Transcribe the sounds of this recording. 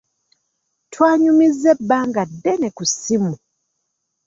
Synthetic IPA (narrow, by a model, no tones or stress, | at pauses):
twaːɲumizːebːaːŋɡadːenekusimu